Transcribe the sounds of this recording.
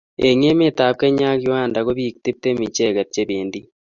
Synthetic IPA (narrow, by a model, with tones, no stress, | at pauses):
e˨ŋe˦me˦ta˨p̚ke˦ɲa˦ɣi˦waː˦˨nda˨ɣo˦βi˦kti˦p̚te˦mi˨t͡ʃe˦˨ɣe˨tt͡ʃe˦βiː˨ndi